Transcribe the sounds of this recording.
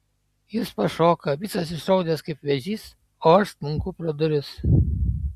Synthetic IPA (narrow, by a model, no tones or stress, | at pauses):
jɪspɐʃoːkɐʋʲɪsɐs̬ɪʃɾɐʊd̪ʲɛskɐɪpʲʋʲɛʒʲiːs | oːɐʃst̪mʊŋkʊpɾɔd̪ʊɾʲɪs